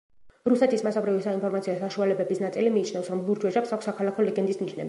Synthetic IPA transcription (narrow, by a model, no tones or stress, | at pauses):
ɾusɛt̪ʰismasɔbɾivisainpʰɔɾmat̪sʰiasaʃualɛbɛbisnat̪sʼilimiːt͡ʃʰnɛfsɾɔmlˠuɾd͡ʒwɛʒapsakʷsːakʰalˠakʰɔlɛɡɛnd̪ismniʃnɛ̰bi